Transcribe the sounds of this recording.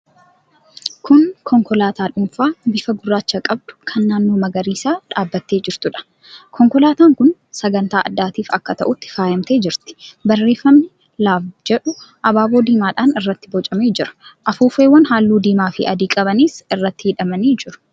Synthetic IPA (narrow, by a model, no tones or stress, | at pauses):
kʊnkʰɔŋkɔlaːt̪aːᶑʊmfaːbɪfɐɡʊrːaːt͡ʃːɐkʼɐb̚d̪̥ʊ̥kʰɐnːaːnːo̞ːmɐɡɐɾiːsaːᶑaːbːɐt̪ːeːd͡ʒɪɾt̪ʊᶑɐ̥ | kʰɔŋkɔlaːt̪aːŋkʊn | sɐɡɐnt̪aːʔɐd̪ːaːt̪iːfɐ̰kːɐt̪ɐʔʊt̪ːɪ̥faːjɐmt̪e̞ːd͡ʒɪɾt̪ɪ̥bɐrːe̞ːfːɐmnɪ | laːfd͡ʒɛᶑʊʔɐbaːboːd̪iːmaːᶑaːnɪrːɐt̪ːɪbɔt͡ʃʼɐmeːd͡ʒɪɾɐ̥ʔɐfuːfeːwːɐnɦaːlːuːd̪iːmaːfɪ̰ʔɐd̪iːkʼɐbɐniːsɪrːɐt̪ːɪhɪᶑɐmɐniːd͡ʒɪɾʊ̥